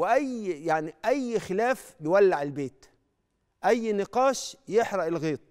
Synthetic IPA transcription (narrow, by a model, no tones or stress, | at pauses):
wɪʔæjːjaʕniʔæjːxɪlæːfjɪwælːaʕɪlbeːt̪ | ʔæjːnɪqɑːʃjɪħɾɑʔɪlɣiːt̪ˤ